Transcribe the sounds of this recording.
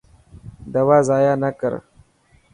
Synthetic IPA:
d̪ɐwaːzaːjanakə̰ɾ

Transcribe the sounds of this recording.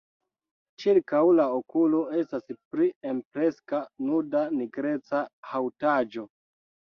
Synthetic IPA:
t͡ʃiɾkawlaokulo̞e̞staspɾiempɾe̞skanudaniɡɾe̞t͡sahawtad͡ʒo̞

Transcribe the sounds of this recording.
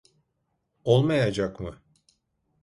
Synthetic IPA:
olˠmajad͡ʒakmɯ

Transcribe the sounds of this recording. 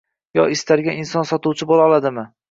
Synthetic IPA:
jɒ̰ɪst̪ʰaɾɡʲaɪnsɒnsɒt̪uwt͡ʃʰɪbolɒlˠad̪ɪmɪ

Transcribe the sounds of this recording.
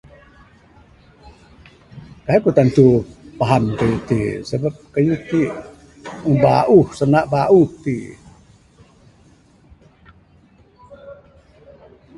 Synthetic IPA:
kaɦekut̪ant̪upaɦankajut̪ḭsabap̚kajut̪i | uŋba̰ʔuhsanaʔbaʔuht̪i

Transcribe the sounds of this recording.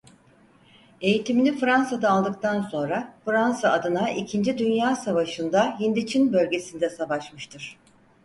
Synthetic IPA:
e̞jit̪ʰiminʲifɾansad̪aːlˠd̪ɯkt̪ʰanso̞nɾafɯɾansaːd̪ɯnaʔicʰind͡ʒid̪ynjaːsavaʃɯnd̪aɦind̪it͡ʃʰinbø̞lʲɟe̞sind̪ɛsavaʃmɯʃt̪ʰɯɾ̥

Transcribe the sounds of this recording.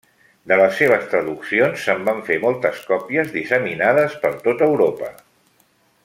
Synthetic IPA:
d̪ələsːeβ̞əst̪ɾəðuksionsːəmbaɱfemɔlˠt̪əskɔpiəzðisəminað̞əspəɾt̪ot̪əwɾopə

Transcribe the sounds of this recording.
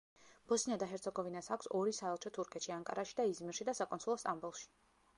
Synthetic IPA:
b̥ɔsinad̪aɦɛɾt̪sʰɔɡɔvinasakʷʰsɔɾisaɛlˠt͡ʃʰɔt̪ʰuɾkʰɛt̪ʃiaŋkʼa̰ɾaʃi̥d̪aizmiɾʃid̪asakʼɔnsʰulˠɔst̪ʼambulˠʃi̥

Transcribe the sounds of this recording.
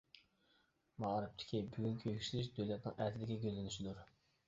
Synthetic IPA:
mɑɾɨp̚t̪ʰɪ̥kʲʰibyɡʲyŋkʲʰøkʲʃylɪʃ̬d̪øwlɛt̪̚nɪ̰ŋæt̪ʰɪd̪ɪɡʲɛɡʲøzɪnyʃid̪uɾ

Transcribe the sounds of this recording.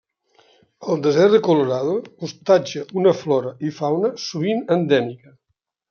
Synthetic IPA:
əlˠd̪əzɛɾðəkoloɾaðoust̪ad͡ʒəʔunəflɔɾəʔifawnəsuβ̞inənd̪ɛmikə

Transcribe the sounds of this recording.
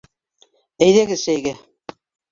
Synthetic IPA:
æjðæɡɘðʃæjɡæ

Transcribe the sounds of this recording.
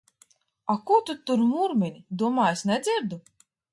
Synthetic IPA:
akut̪ut̪ːuɾmuɾmʲinʲid̪uɔmaːjɛsnʲɛd̪zʲiɾd̪u

